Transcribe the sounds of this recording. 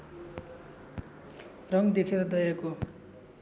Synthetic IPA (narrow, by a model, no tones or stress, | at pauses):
rʌŋd̪ekʰeɾʌd̪ʌjʌko